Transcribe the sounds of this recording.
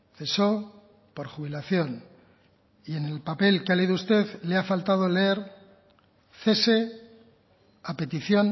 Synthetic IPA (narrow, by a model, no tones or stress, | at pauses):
θe̞so̞ | po̞ɾxuβilaθjo̞n | ie̞ne̞lpape̞lkealeiðoust̪e̞ðleafalt̪að̞o̞leeɾ | θe̞se̞ | ape̞t̪iθjo̞n